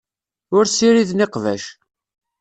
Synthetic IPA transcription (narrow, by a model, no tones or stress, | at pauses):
ʊɾsiɾiðniqvæ̰ʃ